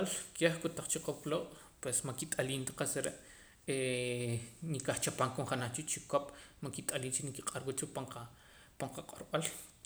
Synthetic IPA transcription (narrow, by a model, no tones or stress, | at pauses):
alkeχkut̪aq͡χt͡ʃiqoploːɓ | pwesmakit̪ʼaliːnt̪ḁqasɾeʔ | e | nikaχt͡ʃapaŋkomχanaχt͡ʃut͡ʃikopmaŋkit̪ʼaliːnt͡ʃinikiqʼaɾwut͡ʃupaŋqa | paɴqaqʼoɾɓal